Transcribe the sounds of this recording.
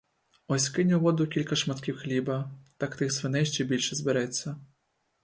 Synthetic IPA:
ɔsʲkɪnʲʊʋɔd̪ʊkʲilʲkɐʃmɐt̪kʲiwxlʲibɐt̪akt̪ɪxsʋɪnɛjʃt͡ʃɛbʲilʲʃɛzbeɾɛt͡sʲːɐ

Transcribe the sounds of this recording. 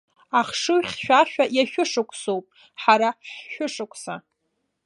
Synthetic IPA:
aχʂɨɥχʲʃᶣaʃᶣajaʃᶣʊʂɨkʷʰʼsowpʼ | ħaɾaħħʊʂɨkʷʰʼsa

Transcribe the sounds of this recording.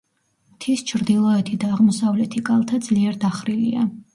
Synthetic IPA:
t̪ʰist͡ʃʰɾd̪ilˠɔɛt̪ʰid̪aːʁmɔsavlɛt̪ʰikʼalˠt̪ʰad̪z̥liɛɾd̪aχɾilḭa

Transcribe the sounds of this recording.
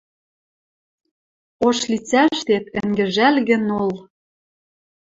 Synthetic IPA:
oʃlit͡sæʃt̪et̪ɘ̆ŋɡɘ̆ʒælɣɘ̆nol

